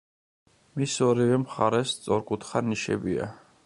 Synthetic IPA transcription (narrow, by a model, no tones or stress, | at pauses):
misɔɾivɛmχaɾɛst̪sʼɔɾkʼut̪ʰχaniʃɛ̰bia̰